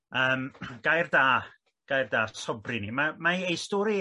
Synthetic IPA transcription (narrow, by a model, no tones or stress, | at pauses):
əːmɡ̥ajrdaː | ɡ̥ajrdaːsɔbrinimamaejstɔːɾi